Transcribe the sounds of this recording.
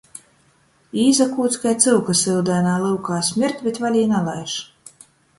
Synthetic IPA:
iːzakuːt̪sʲkajt̪sɨlwkasɨlˠd̪æːnaːlˠɨwkaːsʲmʲiɾt̪ʲbʲet̪valʲiːnalˠajʃ

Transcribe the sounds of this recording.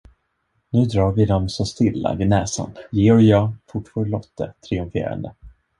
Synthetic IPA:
nʉ̟ːd̪ɾɑːɾvɪd̪ɔmsɔst̪ɪlːa̰vɪnɛːsa̰njeːɔjɑːfʊʈfɔːɾɭɔt̪ʰːət̪ʰɾɪɵmfḛːɾa̰nd̪ə̰

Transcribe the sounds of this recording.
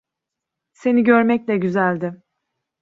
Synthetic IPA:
se̞niɟøɾmɛclʲɛɟyzælʲd̪ɪ

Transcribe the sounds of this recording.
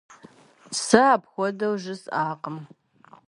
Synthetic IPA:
sɨaːpxʷɔdɐwʒɨsaːqəm

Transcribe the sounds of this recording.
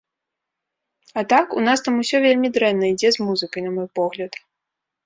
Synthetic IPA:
at̪akun̪ast̪amusʲɔvʲelʲmʲid̪ɾɛnːɐid͡zʲɛzmuzɨkɐjnɐmɔjpɔɣlʲɐt̪

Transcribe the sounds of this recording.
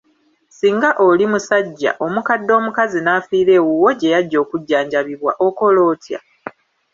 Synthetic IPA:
siːŋɡaʔo̞limusaɟːa̰ʔo̞mukadːo̞ːmukazinafiːɾe̞ːwuwo̞ɟe̞jaɟːo̞ːkuɟːaːɲɟaβiβwaʔoko̞lo̞ːtja̰

